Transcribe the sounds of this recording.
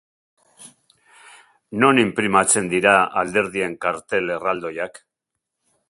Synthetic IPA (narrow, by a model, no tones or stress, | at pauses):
no̞nimpɾimat͡se̞nd̪iɾaald̪e̞ɾðie̞ŋkaɾt̪e̞le̞rald̪o̞jak